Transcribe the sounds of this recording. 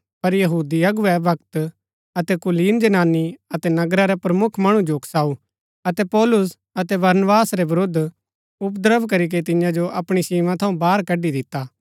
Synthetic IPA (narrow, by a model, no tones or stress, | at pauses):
pɐɾjɐɦuːd̪iɐɡʊʋɛbʱɐk̚t̪ | ɐt̪ɛkʊliːnd͡ʒɐnaːniɐt̪ɛnɐɡɾaɾɛpɾɐmʊkʰmɐɽ̃ũd͡ʒoːkʰsaːu | ɐt̪ɛpɔːlʊs | ɐt̪ɛbɐɾnbaːsɾɛbɐɾoːd̪ | ʊpd̪əɾəbkɐɾik̬et̪ɪjãd͡ʒoʔɐpɽ̃isiːmãt̪ʰɐũbaːɾkɐɖid̪ɪt̪ːaː